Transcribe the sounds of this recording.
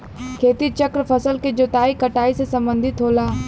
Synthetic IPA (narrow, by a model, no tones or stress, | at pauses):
kʰeːt̪it͡ʃəkɾpʰɐsəlked͡ʒot̪aːikɐʈaːisesɐ̃mbə̃nd̪ʱɪt̪ɦoːlaː